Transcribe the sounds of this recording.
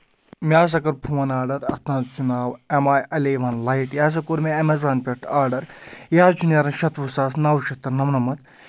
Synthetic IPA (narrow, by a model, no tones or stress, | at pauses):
mʲaːs̬ɐkɐɾpʰuwɐnaːɖɐɾɐt̪ãnt͡ʃunaːwɐmaːjɐleʋɐnlajʈjaːs̬ɐkuɾmeɐmɐzaːnpʲeʈʰaːɾɖɐɾjaːɾt͡ʃʰunjɐɾɐnʃɐt̪ʋusaːsnaːwʃɐt̪ːɐɾnɐmnɐmɐt̪